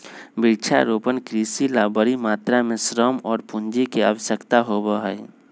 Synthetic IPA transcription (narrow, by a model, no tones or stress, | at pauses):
biɾt͡ʃʰa̰ɾopənkɾisilabəɾimaːt̪ɾamesɾəmɔːɾpund͡ʒikeawəsəkt̪aɦobəɦəj